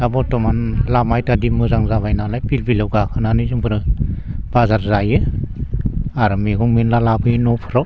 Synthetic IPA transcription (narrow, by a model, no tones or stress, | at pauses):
abɔtɔmanlamajtadimɯzaŋzaβajnalajpilbilɯwɡakʰɯnanɯzɯŋpʰɯɾɯb̥azaɾzajɯ | aɾɯmeɡɔŋmenlalabɯjnɔpʰɯɾɔ